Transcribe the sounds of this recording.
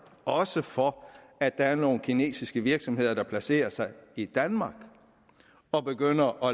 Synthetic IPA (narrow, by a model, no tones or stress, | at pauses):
ɒ̽səfɒæd̥d̥ɑ̈æɐno̝ːn̩kʰine̝̰ːsisɡ̥əʋiɐɡ̥sɒ̽mhe̝ð̞̰ˠɐd̥ɑ̈pʰlæse̝̰ːɐsɑ̈ɪid̥ænmɑ̈ːɡ̥ | ɒ̽b̥e̝ɡ̥øn̰ɐʔɒ̽